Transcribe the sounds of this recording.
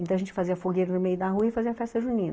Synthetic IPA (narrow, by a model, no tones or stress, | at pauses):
ẽt̪ɐ̃w̃ɐʒẽt͡ʃɪ̥faziɐfoɡejɾɐnʊmejʊd̪ɐɦuɐɪfaziɐfɛst̪ɐʒũnĩnɐ